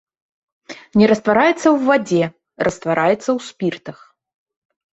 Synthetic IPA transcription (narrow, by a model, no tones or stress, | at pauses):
nʲɛɾɐst̪vaɾajɛt̪sːɐwvad͡zʲɛ | rʔɐst̪vaɾʔajɛt̪sːɐwspʲirt̪ɐx